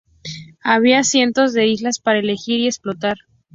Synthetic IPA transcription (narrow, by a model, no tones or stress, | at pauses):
aβ̞iasje̞nt̪o̞zðe̞izlaspaɾaele̞xiɾiesplo̞t̪aɾ